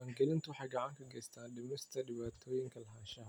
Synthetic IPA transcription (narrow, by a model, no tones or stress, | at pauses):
ɐːŋɡɛlɪnt̪ʰʊħɑɡɑʕaŋkʰɐɡɛːst̪ʰaːnɗɪmɪst̪ʰɐɗɪβaːt̪ʰɔːjɪŋkʰɐlɐɦaːnʃɐɦ